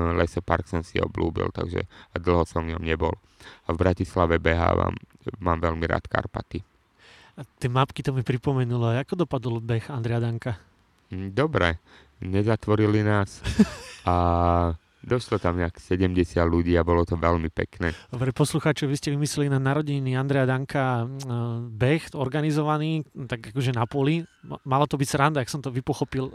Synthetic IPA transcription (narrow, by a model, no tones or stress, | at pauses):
lɛsɔpa̰ɾksɔmsiɔ̰blṵːbḭlt̪a̰ɡʒɛ̰d̪l̩ˠɦɔsɔʋvɲɔmɲɛbɔl | avbɾacislaʋɛbɛɦa̰ːʋa̰mmaːmʋɛlmiɾa̰ːt̪ka̰ɾpa̰t̪i | at̪ɪɛmapkit̪ɔmipɾipɔmɛnulɔajakɔd̪ɔpad̪ɔlˠbɛxand̪ɾɛjad̪aŋka | d̪ɔbɾɛ | ɲɛzat̪ʋɔɾilinaːs | a | d̪ɔʃlɔt̪amɲɛaksɛɟɛmɟɛsɪad̪luɟiːabɔlɔt̪ɔʋɛʎmipɛ̰knɛːd̪ɔbɾɛpɔsluxaːt͡ʃɔɛʋiscɛʋimislɛlinanaɾɔɟiniand̪ɾɛjad̪aŋka | bɛxɔɾɡanizɔʋaniːt̪aɡakɔʒɛnapʊɔlimalat̪ɔbicsɾand̪aaksɔmt̪ɔʋipɔxɔpil